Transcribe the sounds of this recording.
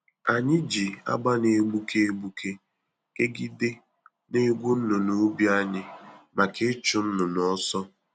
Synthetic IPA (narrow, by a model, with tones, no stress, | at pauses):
a˨ɲɪ˦d͡ʒi˨a̰˦ɡ͡ba˦ne˨˦ɡ͡bu˦kʰe˦e˦ɡ͡bu˦kʰe˦ | ke˦ɡi˦de˦ | ne˦ɡʷu˦n̩˦nʊ˨nu˦bja˦ɲɪ˦ma˨kɪ˦t͡ʃʊ˨n̩˦nʊ˨nɔ˦sɔ˦